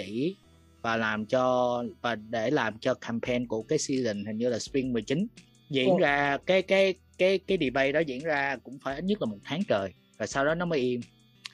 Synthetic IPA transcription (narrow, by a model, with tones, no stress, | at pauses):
ḭ˧˩˨ | vaː˨˩laː˨˩mt͡ɕɔ˧vaː˨˩ɗe˧˩laː˨˩mt͡ɕɔ˧kʰaː˧mpʰɛ˧nku˧˩əkaː˨˦jswi˧zḭ̈˨ŋ̟hï˨˩ŋ̟ɲɨ˧laː˨˩spi˧ŋmɨ˨˩əjt͡ɕï˨˦n | zḭ˧˨ənzaː˧kaː˨˦jkaː˨˦j | kaː˨˦jkaː˨˦jɗi˨˩ɓə˧jɗɔ˨˦zḭ˧˨ənzaː˧kʊ̰˧˥ŋ͡mfaː˧˩ʔt̚ɲə˦˥la˨˩mo˨˩t̚t̪ʰaː˨˦ŋt͡ɕəː˨˩j | vaː˨˩sa˧wɗɔ˨˦nɔ˨˦məː˨˦jʔi˧əm